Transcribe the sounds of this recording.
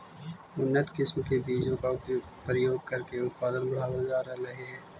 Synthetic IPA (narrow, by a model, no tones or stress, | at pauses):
ʊnːət̪kɪsmkebiːd͡ʒõka | pɾəjoːɡ̚kɐɾkeʊt̪̚paːd̪ənbɐɽ̤aːʋad͡ʒaːɾɐɾɐɦeɦɛː